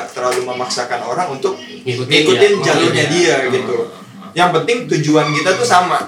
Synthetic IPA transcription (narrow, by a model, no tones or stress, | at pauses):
t̪ərlaluməmaksakanoɾaŋunt̪ʊk̚ | məŋikuɪnd͡ʒat̪ʊɲadiaɡit̪u | jaŋpənt̪ɪŋt̪uɲd͡ʒuankit̪at̪usama